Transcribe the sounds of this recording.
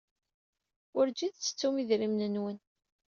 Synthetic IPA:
ʊɾd͡ʒiðt͡sːə̥t͡sːumiðɾimnənwən

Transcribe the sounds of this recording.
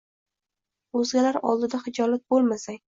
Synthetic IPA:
ɵzɡʲalaɾɒ̰lˠd̪ɪd̪aχɪd͡ʒɒlat̪̚bolˠmasaŋʲ

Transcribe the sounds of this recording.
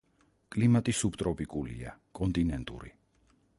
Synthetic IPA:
kʼlimat̪ʼisupt̪ʼɾɔpʼikʼulḭakʼɔnt̪ʼinɛnt̪ʼṵɾi

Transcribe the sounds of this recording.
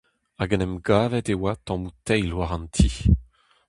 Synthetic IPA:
aɡanɛmɡaːvɛd̪ewat̪ɑ̃mut̪ɛjlwaʁɑ̃nt̪ʰi

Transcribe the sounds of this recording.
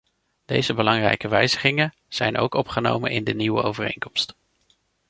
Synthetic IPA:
d̥ejzəbəlɑŋrɛ̰jkəʋɛjzəχɪŋə | z̥ɛjno̰wkɔpχəno̰wmənɪndəniwʋə̰owvərejŋkɔmst

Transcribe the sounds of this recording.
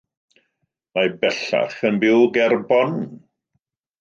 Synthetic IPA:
mabɛɬa̰χənbɪwɡɛrbɔn

